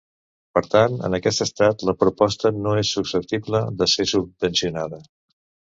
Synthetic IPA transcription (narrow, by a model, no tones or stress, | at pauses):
pəɾt̪anə̰nəkɛst̪əst̪at̪ləpɾupɔst̪ənoesːuksəp̚t̪ibləðəsesub̚bənsiunaðə